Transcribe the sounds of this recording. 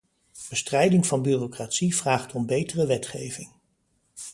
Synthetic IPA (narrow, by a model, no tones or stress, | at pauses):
b̥əstrɛjdɪŋvɑnbyːrokratsiv̥raːχtʰɔmbejtərəʋɛtχejvɪŋ